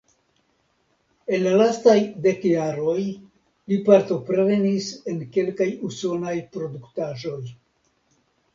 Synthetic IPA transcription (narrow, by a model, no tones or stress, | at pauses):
e̞nlalastajde̞kjaɾo̞j | lipaɾto̞pɾɾe̞nise̞nke̞lkajuso̞najpɾo̞duktaʒo̞j